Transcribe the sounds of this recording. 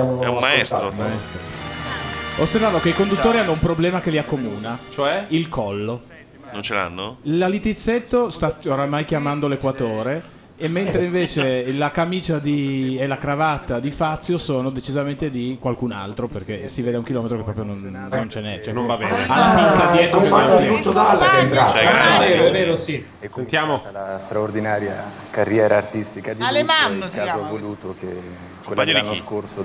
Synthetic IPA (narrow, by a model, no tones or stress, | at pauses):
ɛ̰umːaɛst̪ɾomaɛst̪ɾo | osːervaːvokeikond̪ut̪ːoːɾianːoumpɾoblɛːmakeliakːomuːnat͡ʃoɛilkʰɔlːo | nont͡ʃela̰nːolalit̪it̪sːet̪ːost̪aoɾamajk̟jamand̪olekwat̪oːɾe | emːent̪ɾeiɱveːt͡ʃelakamiːt͡ʃad̪ielakɾavat̪ːad̪ifat̪sːjosoːnod̪et͡ʃizament̪ed̪ikwalkuna̰lt̪ɾoperkesiveːd̪eauŋk̟ilɔːmet̪ɾokepːɾɔːpɾjonon | nːont͡ʃenɛt͡ʃɛnõnvabɛːnealːapisad̪jɛːt̪ɾokeaut͡ʃːod̪alat͡ʃɛɾaveːɾoɛveːɾosi | ent̪jaːmolast̪ɾaord̪inaːɾja | karːjɛːɾaːrt̪ist̪ikad̪aleanːoazavoluːt̪oke | kwemaeɾikːoiskorso